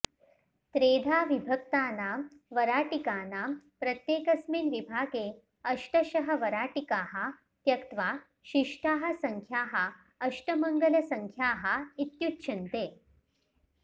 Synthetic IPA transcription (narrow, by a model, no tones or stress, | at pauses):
t̪ɾeːd̪ʱaːʋibʱək̚t̪aːna | ʋəɾaːʈikaːnapɾət̪jeːkɐsmiːnʋibʱaːɡeː | əʂʈəɕəɦɐ̆ʋɐɾaːʈikaːɦa | t̪jɐkt̪ʋa | ɕiʂʈʰaːɦɐ̆səŋkʰjaːɦa | əʂʈəməŋɡəlɐsəŋkʰjaːɦait̪jut̪ɕʰɐnt̪eː